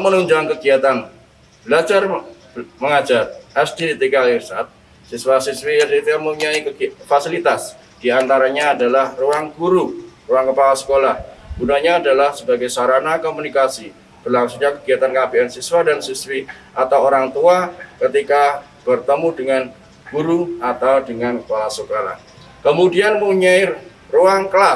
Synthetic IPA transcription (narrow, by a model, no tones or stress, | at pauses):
mənuɲd͡ʒuankəɡiat̪an | bəlad͡ʒar | məŋad͡ʒarasdiit̪ikalirsat̪̚ | siswasiswiit̪ujaŋmuɲaiəfasilit̪as | d̥iant̪aɾaɲaːdalahruaŋɡuɾuruaŋkəpalasə̥kolahb̥unaɲaːdalahsəbaɡajsaɾanakomunikasi | b̥ərlaŋsuŋɲakəɡiat̪ankabiɛnsiswadansiswi | ʔat̪awoɾaŋt̪uakət̪ika | b̥ərt̪əmudəŋan | ɡ̥uɾuat̪awdəŋankəpalasəkola̰h | kəmudianmuɲai | ruaŋkəla